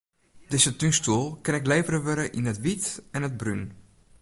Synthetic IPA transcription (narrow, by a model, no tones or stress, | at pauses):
dɪzətynstulˠkɪnɪkleːvəɾəʋøɾəʔinətʋitɛnəd̚bryn